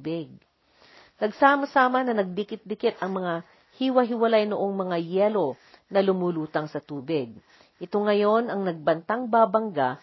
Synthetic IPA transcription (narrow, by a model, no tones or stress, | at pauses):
bɪɡ̚ | nɐɡsaːmɐsaːmɐnɐnɐɡ̚bɪkɪt̪̚bɪkɪt̪ɐŋmɐŋa | hiwɐɦɪwɐlajnʊʔoŋmɐŋajɛːlo̞ | nɐlʊmuluːt̪ɐŋsɐt̪uːbɪɡ̚ | ʔɪt̪o̞ŋɐjo̞nɐŋnɐɡ̚bɐnt̪aŋbaːbɐŋɡa